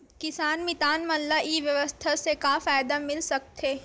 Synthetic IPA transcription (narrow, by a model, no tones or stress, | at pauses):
kɪsaːnmɪt̪aːnmɐnlaʔiːʋjɐʋəst̪ʰasekaːfaːjd̪amɪlsɐk̚t̪ʰeː